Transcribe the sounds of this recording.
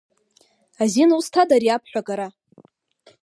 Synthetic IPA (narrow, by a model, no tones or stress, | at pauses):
azinustʰadaɾiapʰħᶣʷaɡʼaɾa